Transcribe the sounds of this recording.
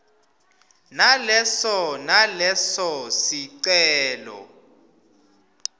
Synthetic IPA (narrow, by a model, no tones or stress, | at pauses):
nalɛsɔnalɛsɔsiǀɛːlɔ̰